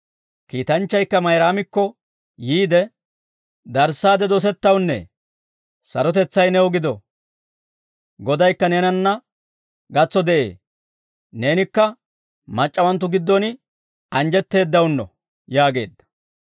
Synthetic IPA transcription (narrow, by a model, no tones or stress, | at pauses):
kiːt̪ɐnt͡ʃːɐjkːɐmɐjɾaːmɪkːɔ | jiːd̪ɛ | d̪ɐɾsːaːd̪ɛd̪ɔs̬ɛt̪ːɐwnːɛ̰ | sɐɾɔt̪ɛt͡sːɐjnɛɔɡɪd̪ɔ | ɡɔd̪ɐjkːɐnɛnɐnːɐ | ɡɐt͡sːɔd̪ɛʔe̞̰ː | ne̞ːnɪkːɐ | mɐt͡ʃʼːɐwɐnt̪ːʊɡɪd̪ːɔnɪ | ɐnd͡ʒɛt̪ːe̞ːd̪ːɐwnːɔ̰ | jaːɡe̞̰ːd̪ːɐ̥